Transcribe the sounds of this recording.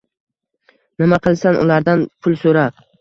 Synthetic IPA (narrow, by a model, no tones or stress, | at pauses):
nɪmaqʰɨlˠsanʊ̰laɾd̪anpʰʊlˠsoɾa